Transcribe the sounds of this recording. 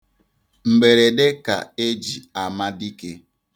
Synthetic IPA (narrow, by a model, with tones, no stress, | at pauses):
ŋ͡m̩˨ɡ͡be˨ɾe˨de˦ka̰˨e˦d͡ʒi˨a˨ma˦di˦ke˦